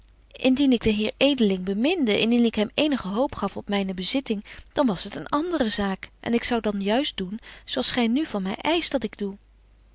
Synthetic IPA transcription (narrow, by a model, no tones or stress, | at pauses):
ʔɪndinɪɡdəɦɪːɹejdəlɪŋbəmɪndəʔɪndinɪkɦɛmejnəχəɦowpχɑfɔpmɛjnəbəzɪtɪŋd̥ɑnʋɑsɦətənɑndərəzaːkʔɛ̰nɪksɑwdɑnjœɥstdunz̥owɑlˠsχɛjnyvɑnmɛ̰jʔɛjstʋɑtɪɡdu